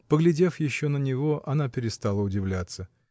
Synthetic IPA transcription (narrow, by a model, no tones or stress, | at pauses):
pəɡlʲɪdʲe̞fjɪɕːo̞nənʲɪvo̞ʔɐnapʲɪɾʲɪst̪alˠəʊdʲɪvlʲat̪sə